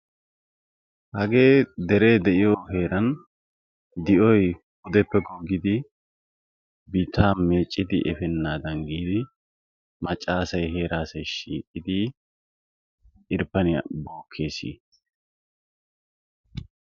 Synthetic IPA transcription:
hɐɡe̞ːd̪ɛɾe̞ːd̪ɛʔɪjɔɦe̞ːɾɐn | d̪ɪʔɔj | ʊd̪ɛpːɛɡɔɡɪd̪ɪ | bɪt̪ːaːme̞ːt͡ʃʼːɪd̪ɪʔɛfɛnːaːd̪ɐnɡiːd̪ɪ | mɐt͡ʃʼːaːsɐjɦe̞ːɾaːsɐjʃḭːkʼːɪd̪ɪ | ʔɪɾpːɐnɪjɐ̰bo̞ːkʰːe̞ːsḭː

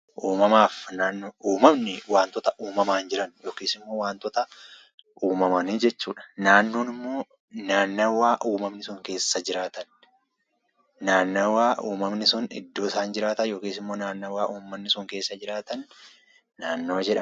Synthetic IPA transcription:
ʔuːmɐmaːfnaːnːoːʔuːmɐmnɪwaːnt̪ɔt̪ɐʔuːmɐmaːnd͡ʒɪɾɐnjo̞ːkiːsɪmːo̞ːwaːnt̪ɔt̪ɐ | ʔuːmɐmɐniːd͡ʒɛt͡ʃːuːᶑɐ̥naːnːoːnɪmːo̞ː | naːnːɐwaːʔuːmɐmnɪsʊŋke̞ːsːɐd͡ʒɪɾaːt̪ɐn | naːnːɐwaːʔuːmɐmnɪsʊnɪ̰d̪ːo̞ːɪsaːnd͡ʒɪɾaːt̪ɐnjo̞ːkiːsɪmːo̞ːnaːnːɐwaːʔuːmːɐmnɪsʊŋke̞ːsːɐd͡ʒɪɾaːt̪ɐnː | aːnːo̞ːd͡ʒɛᶑɐ

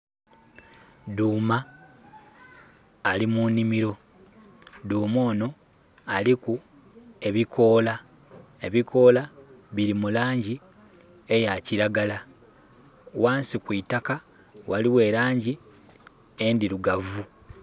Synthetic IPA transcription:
duːma | limunimiɾo̞ | duːmo̞ːno̞ | aliku | e̞βikʰo̞ːla | e̞βikʰo̞ːlaβiɾimulaːɲɟi | e̞jaciɾaɡala | waːnsikwitaka | waliwe̞ːɾaːɲɟi | e̞ndiɾuɡavu

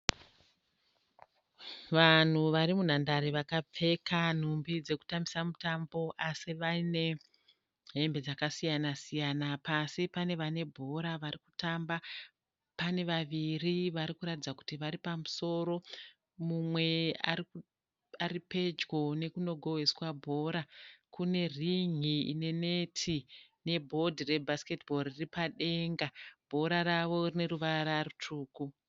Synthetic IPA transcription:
ʋan̤uʋaɾimun̤andaɾiʋakap͡fe̞kan̤umbid͡ze̞ku̥tambisamutambo̞ʔasiʋaine̞ | ɦe̞mbe̞d͡zakasijanasijanapasipane̞ʋane̞bʱo̞ɾaʋaɾiku̥tamba | pane̞ʋaʋiriʋaɾikuɾatid͡zaku̥tiʋaɾipamuso̞ɾo̞ | mumwe̞a̰ri | aripe̞d͡ʒɡo̞ne̞kuno̞ɡʱo̞weswabʱo̞ɾakune̞riŋḭːne̞ne̞tʰine̞bʱo̞dʱire̞bʱaske̞tbʱo̞riripaɗe̞ŋɡab̥ʱo̞ɾaɾaʋo̞rine̞ɾuʋaɾarutʰuːku

